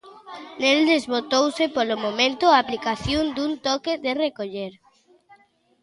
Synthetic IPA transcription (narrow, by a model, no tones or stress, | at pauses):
neld̪ezβot̪owsɪpolomomẽnt̪ʊaːplikaθjond̪unt̪ɔkederekoʎeɾ